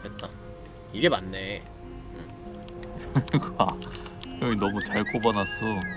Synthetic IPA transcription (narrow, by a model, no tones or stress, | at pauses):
et̚t͈a | iɡe̞manːe̞ | ɯ | ɾekakɯɾʌinʌmut͡ɕaɭk͈obanas͈o